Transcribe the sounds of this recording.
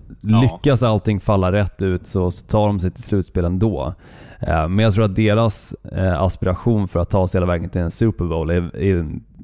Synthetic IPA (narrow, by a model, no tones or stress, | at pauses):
lʏkːasalt̪ɪŋːfalːaɾɛt̪ːʉ̟ːt̪sɔt̪ʰɑːɖɔmsɛɪjt̪ʰɪlslʉ̟ːt̪speːlɛnd̪oː | mɛnjaɡt̪ʰɾuːɾat̪̚d̪eːɾasa̰spɪɾaɧuːnfœɾat̪ʰːɑːsheːlavɛːɡənt̪ʰɪlɛnsʉ̟ːpəɾbɔlæɛn